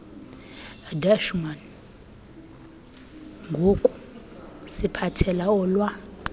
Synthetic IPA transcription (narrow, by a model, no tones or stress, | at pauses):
daʃman | ŋɡʱokʼu̥ | sipʰatʰɛlaɔlwa